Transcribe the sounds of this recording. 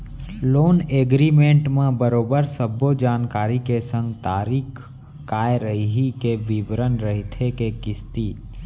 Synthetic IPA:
loːneːɡɾiːmẽɳʈmẽbəɾoːbəɾsəbːod͡ʒaːnkaːɾikesə̃ŋɡt̪aːɾiːkʰː | aːeɾəiɦikeʋɪbɾənɾəɦit̪ʰekekɪst̪iː

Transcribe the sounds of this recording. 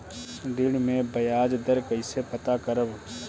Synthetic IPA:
ɖ̪ɪɽmẽbɐjaːd͡ʒd̪əɾkɐɪsepɐt̪akəɾəb

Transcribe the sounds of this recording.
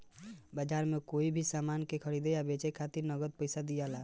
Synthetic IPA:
bəd͡ʒaɾmekoibʱisamankekʰəɾid̪ejabet͡ʃekʰat̪iɾnəɡəd̪̚pəɪsad̪ijala

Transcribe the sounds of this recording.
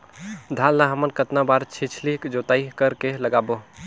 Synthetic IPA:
d̪ʱalːaɦəmənkət̪nabaɾt͡ʃʰit͡ʃʰlikd͡ʒot̪aikəɾkeləɡabo

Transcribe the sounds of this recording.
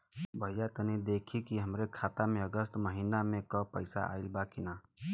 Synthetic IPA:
bʱəijat̪ənid̪ekʰikiɦəmɾekʰat̪ameəɡəst̪məɦinamekəpəɪsa̰a̰ɪlbakina

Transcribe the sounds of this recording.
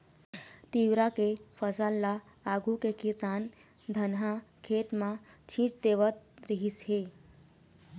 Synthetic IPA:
t̪iʋɾakefəsəlːaː | ɡʱukekisan | d̪ʱənɦakʰet̪mat͡ɕʰĩːt͡sd̪eʋət̪̚ɾiɦisɦe

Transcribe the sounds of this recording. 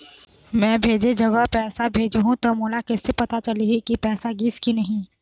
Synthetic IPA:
mɛ̃ːbʱeːd͡ʒed͡ʒɐɡəɦpɛːsabʱeːd͡ʒeɦũt̪omoːlakɛsːepɐt̪at͡ʃɐliɦɛkipɛːsaɡɪskinɐɦĩ

